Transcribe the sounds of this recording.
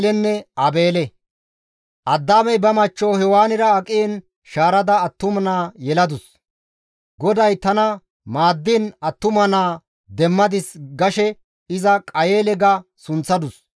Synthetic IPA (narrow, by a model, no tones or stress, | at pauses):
lɛnːɛʔɐbe̞ːlɛ | ʔɐd̪ːaːmɛjbɐmɐt͡ʃːoːhɛwaːnɪɾɐɐkʼɪɛn | ʃaːɾɐd̪ɐːt̪ːʊmɐnaːjɛlɐd̪ʊs | ɡɔd̪ɐjt̪ɐnɐ | maːd̪ːinɐt̪ːʊmɐnaː | d̪ɛmːɐd̪ɪsɡɐʃɛ | ɪzɐkʼɐjeːlɛɡɐsʊnt͡sːɐd̪ʊs